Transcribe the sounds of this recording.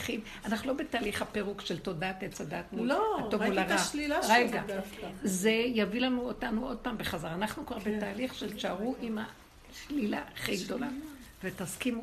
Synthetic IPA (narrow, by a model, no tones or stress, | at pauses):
χiv | anaχnulo̞betaːliχhapeʁukʃelto̞daːtet͡sadatmuloatovulaʁaʃlilaʁeɡaafkaze̞javilanuod̚tanuo̞d̪̚paːmbeχazaʁanaχnukvaʁbe̞t̪aːliχʃelt͡ʃaʁuʔima | ʃlila̰aχiɡd̪o̞lavet̪askimu